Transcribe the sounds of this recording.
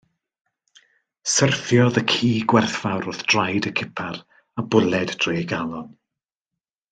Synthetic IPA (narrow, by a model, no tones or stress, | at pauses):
sərθjɔðəkʰiːɡwɛrθfawɾʊθd̥rajdəkʰɪpʰar | abʊlˠɛdd̥reːɡalˠɔn